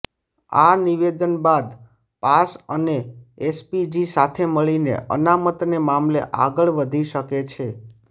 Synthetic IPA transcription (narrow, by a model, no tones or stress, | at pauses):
a̰niʋed̪ənbad̪ | pasəneespid͡ʒisat̪ʰeməɭinḛʔə̰namət̪nemamleʔa̰ɡəɭʋəd̪ʱiʃəket͡ʃʰe